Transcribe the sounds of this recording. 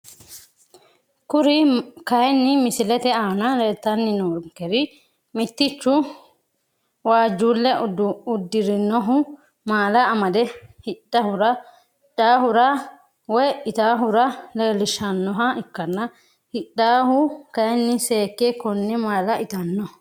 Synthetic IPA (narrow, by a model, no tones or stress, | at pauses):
kʊɾɪkɐjɛnːɪmɪsɪlɛt̪ɛaːnɐlɛt̪ːɐnːɪnoːŋkɛɾɪ | mɪt̪ːɪt͡ʃːʊ | waːd͡ʒːuːlːɛʊd̪ːɪɾɪnːɔɦʊ | maːlɐːmɐd̪ɛhɪᶑːɐhʊɾɐ | ᶑaːhʊɾɐ | wɔjɪt̪aːɦʊɾɐleːlɪʃɐnːɔɦɐɪkːɐnːɐ | hɪɗːaːhʊkɐjɛnːɪseːkːekɔnːɛmaːlɐʔɪt̪ɐnːɔ